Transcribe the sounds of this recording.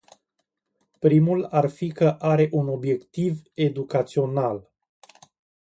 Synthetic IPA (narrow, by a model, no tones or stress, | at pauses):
pɾimularfikəʔaɾe̞ʔuno̞bje̞kt̪ive̞d̪ukat̪sio̞nal